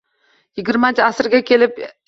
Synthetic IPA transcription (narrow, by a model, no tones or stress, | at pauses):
jɪɡʲɪɾmant͡ʃʰɪasɾɡʲakʲʰe̞lɪp